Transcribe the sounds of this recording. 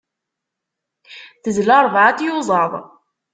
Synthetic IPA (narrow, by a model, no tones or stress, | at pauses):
θəzlɑɾˤvʕat̪juzˤɑðˤ